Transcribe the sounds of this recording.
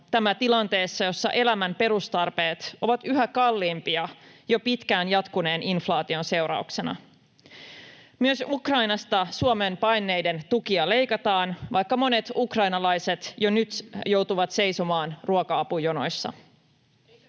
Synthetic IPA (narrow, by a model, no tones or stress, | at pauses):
t̪æmæt̪ilɑnt̪e̞ːsːɑjo̞sːɑ̰ʔe̞læmæmpe̞ɾust̪ɑrpe̞ːt̪ʔo̞ʋɑt̪yɦækɑlːiːmpiɑjo̞pit̪kæːnjɑt̪kune̞ːnʔinflɑːt̪io̞nse̞wɾɑ̰ukse̞nɑ̰ | myøsukrɑjnɑst̪ɑsuomempɑjnːe̞jde̞nt̪ukiɑle̞jkɑt̪ɑːnʋʔɑjkːɑmo̞ne̞t̪ukrɑjnɑlɑjse̞t̪jo̞nyt̪jo̞wt̪uʋɑt̪se̞jsomɑːnruokɑɑpujono̞̰jsːɑ̰